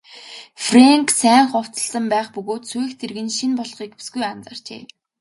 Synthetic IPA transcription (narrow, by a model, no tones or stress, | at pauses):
freŋksæːŋχɔw̥t͡sə̆ɮsə̆mpæːχpɵɣoːt̪suext̪ʰerɣɘ̆nʃinpɔɮχiːkesɡujant͡saːr̥t͡ɕḛː